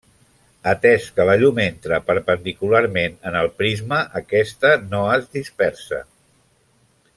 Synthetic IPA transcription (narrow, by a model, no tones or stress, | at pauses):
ət̪ɛskələʎument̪ɾəpəɾpənd̪ikulaɾmenənəlˠpɾizməʔəkɛst̪ənoəzd̪ispɛɾsə̰